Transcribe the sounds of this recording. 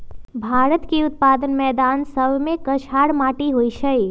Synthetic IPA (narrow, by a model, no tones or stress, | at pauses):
bʱaɾət̪kiʊt̪̚pad̪ənmɛːd̪ansəbʱmẽkət͡ʃʰaɽmaʈiɦojt͡ʃʰəj